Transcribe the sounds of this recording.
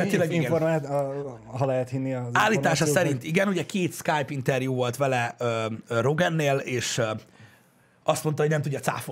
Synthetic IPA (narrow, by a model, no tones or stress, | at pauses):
ɛeːlɛɡiɡɛfoɾmat̪ | ɦɒlɛɦɛt̪hinːiɒaːlːiːt̪aːʃɒsɛɾint̪iɡɛnuɟɛkeːt̪skajpint̪ɛrjuːvo̞lt̪ʋɛlɛøːro̞ɡɛnːeːleːʃ | ɒst̪mot̪ɒɦo̞ɟnɛmt̪uɟːɒt̪sa̰ːfo